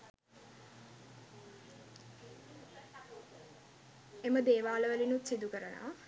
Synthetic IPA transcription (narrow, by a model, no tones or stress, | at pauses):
eməd̪eːʋaːləʋəlinut̪sid̪ukəɾəna̰